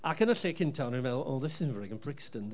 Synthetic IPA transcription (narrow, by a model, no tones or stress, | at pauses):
akʰənəɬekʰɪ̃ntʰawnənvɛlˠo̰lˠdɛsɪnvɹɪɡə̃npʰɹ̥ɪkstən